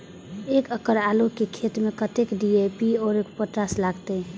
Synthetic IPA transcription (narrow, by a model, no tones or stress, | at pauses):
ekəkəɾaːlokekʰet̪mẽkət̪ekɖiepiɔːɾekpəʈɾaslaːɡt̪e